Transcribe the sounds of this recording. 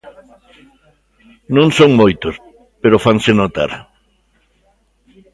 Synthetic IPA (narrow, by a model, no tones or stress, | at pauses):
nõŋsoŋmojt̪os | peɾofaŋsɪnot̪a̰ɾ